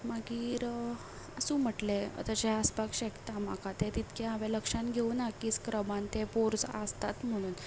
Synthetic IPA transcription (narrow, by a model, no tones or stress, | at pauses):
maɡiːɾ | əsũːm̤əʈlḛt̪ət͡ɕeaspakɕɛkt̪amakat̪et̪it̪keaʋeləkʂãnɡʱeunakiːskɾəbant̪epoɾt͡sa̰st̪at̪m̤əɽ̃uːn